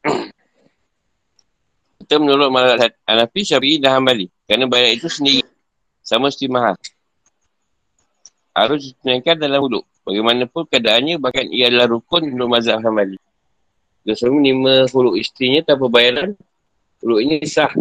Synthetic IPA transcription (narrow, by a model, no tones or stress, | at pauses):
kit̪əmənɔlɔt̪̚maazaʔat̪̚anafiʃaɾiidaɦambalikəɾanabajaɾait̪usəndiɣi | samast̪imaɦal | ha̰ɾʊsdit̪ənaŋkat̪̚dalaulʊʔ | baɡajmanapʊnkəadaʔanɲabahkanḭjaadalahɾukʊnunt̪ʊʔ̚mazaʔɦambali | ɡasəŋuniməɦulʊʔist̪ɾiɲat̪ap̬əbajaɾan | hulʊʔiɲisah